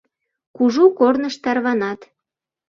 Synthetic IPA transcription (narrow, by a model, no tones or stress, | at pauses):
kuʒukornəʃt̪ɑrβɑnɑt̪